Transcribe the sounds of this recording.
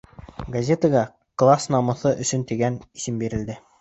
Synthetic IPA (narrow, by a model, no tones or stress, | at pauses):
ɡɐzʲet̪əɡɑ | klˠasnɑmɤ̆θɤʔɵ̆sɵ̆nt̪iɡænisɘmbiɾɘ̆ld̪ɘ